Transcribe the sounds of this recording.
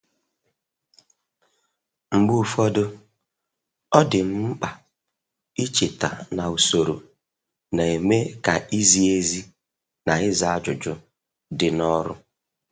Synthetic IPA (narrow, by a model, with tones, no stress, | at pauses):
ŋ͡m̩˨ɡ͡bu˦˨fɔ˦dʊ˦ | ɔ˦dɪ˨m̩˦k͡pa˨ | i˦t͡ʃe˨ta̰˨na˨u˨so˨ɾo̰˨ | na˨e˨me˦ka˨ʔi˦zi˦e˦zi˦ | na˨ɪ˦za˨a˦d͡ʒʊ˨d͡ʒʊ˦ | dɪ˨nɔ˦ɾʊ̰˦